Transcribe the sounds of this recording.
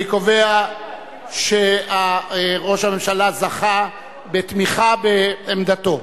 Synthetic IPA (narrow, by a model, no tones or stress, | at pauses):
ikovea | ʃe̞aʁo̞ʃhame̞mʃalazaχa | bet̪miχabeːmd̪at̪o̞